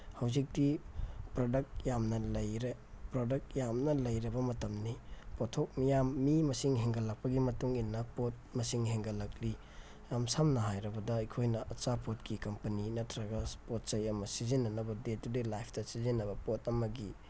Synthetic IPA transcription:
hɐwzik̚dipɾodɐk̚t̚jamnɐlɐjɾe | pɾodɐk̚tjamnɐlɐjɾɐbɐmɐtɐmnipotʰok̚mijamːimɐsiŋɦeŋɡɐlɐk̚pɐɡimɐtuŋinːɐpot̚mɐsiŋɦeŋɡɐlɐkli | jamsamnɐɦajɾɐbɐdɐɐjkʰojnɐʔɐt͡ʃapot̚kikɐmpɐninɐtʰɾɐɡɐspot̚sɐjɐmɐsizinːɐnɐbɐdetːudilajpʰtɐsizinːɐbɐpot̚ɐmɐɡi

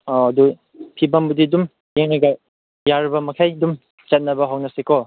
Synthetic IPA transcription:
ɐdu | pʰibɐmbudidum | jeŋnaɡɐ | jaɾbɐmɐkʰajdum | t͡ʃɐt̚nɐbɐɦawnɐsikʰɔ

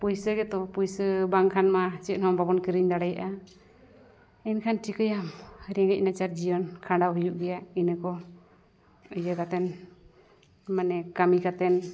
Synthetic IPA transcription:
pujsəɡɛt̪ɔpujsəbaŋkʰanmat͡ʃɛt̪̚nhɔmbabɔnkəɾiɲd̪aɽɛjaʔa | ɛnkʰanʈikəjamɾɛŋɡɛc̚ˀnat͡ʃaɾd͡ʒijɔnkʰaɳɖawɦijuʔɡɛjaʔinəkɔ | əjəkat̪ɛn | manɛkamikat̪ɛn

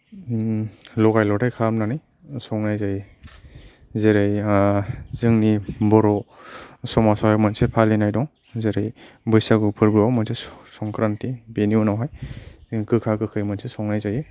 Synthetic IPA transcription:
lɔɡajlɔtʰajkʰamnanij | sɔŋnajzaj | zeɾej | zɯŋnibɔɾɔ | sɔmasɔhajmɯnsepʰalinajdɔŋ | zeɾejbɯjsaɡupʰɯɾbɯawmɯnsesɔŋkɾantibeniunawɦajz̥ɯŋnikɯkʰakɯkʰɯjmɯnsesɔŋnajzaje

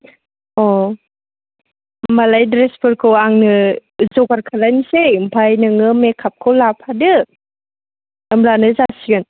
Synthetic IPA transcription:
ɔ | malajdɾespʰɯɾkʰɯwaŋnɯzɔɡaɾkʰalajnsempʰajnɯŋɯmekʰap̚kʰawlapʰadɯ | əmlanɯzasiɯn

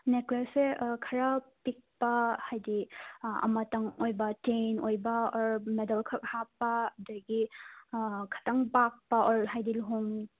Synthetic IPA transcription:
neklasekʰaɾapik̚pahajdiɐ̰mataŋojbatejnojbaɔɾmedalkʰak̚hapːadajɡi | kʰḁtaŋbak̚paʔɔɾɦajdilɦuŋ

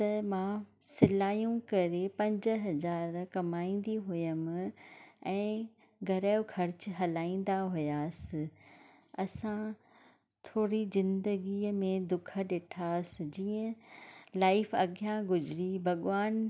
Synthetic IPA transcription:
t̪ɐmãːsɪlaːjũkɐɾepɐ̃ɲd͡ʑə̆ɦɐzaːɾkɐmaːĩːnd̪iɦʊjəm̆ | ɛ̃ː | ɡʱɐɾəjokʰɐɾt͡ɕɦɐlaːĩːn̆d̪aɦʊjaːsɪ̆ | ɐsã | t̪ʰoːɾizɪ̃nd̪əɡimẽd̪ʊkʰə̆ɗɪʈʰaːsɪ̆d͡ʑiːə̃laːɪfɐɠjãɡʊzɪɾibʱɐɠʋaːn

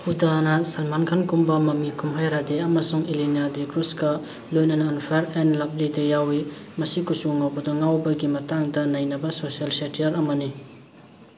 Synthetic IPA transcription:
hudanɐsɐnmankʰankumbɐmɐmikʰumɦajɾadeɐmɐsuŋilinadekɾuskɐ | lojnɐnɐːnpʰaɾenlap̚lidejawimɐsikusuŋawbɐdɐŋawbɐɡimɐtaŋdɐnɐjnɐbɐsosialsetiɐɾɐmɐni

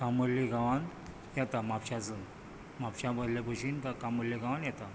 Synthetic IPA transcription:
kãməɾliɡʱaʋan | jɛt̪amapɕat͡sən | mapɕabəd̪lapəɕinkakãməɾliɡʱaʋanjɛt̪a

